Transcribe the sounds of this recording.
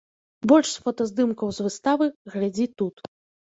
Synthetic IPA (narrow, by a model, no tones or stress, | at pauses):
bɔlʲʂsfɔt̪ɐzd̪ɨmkɐwzvɨst̪avɨɣlʲad͡zʲit̪ut̪